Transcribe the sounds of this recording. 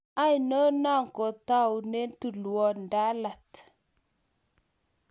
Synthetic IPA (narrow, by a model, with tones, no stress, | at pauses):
a˦jnə˦na˦˨ŋko˨ta˦u˨ne˦ntu˨lu˨wo˦nda˦la˨t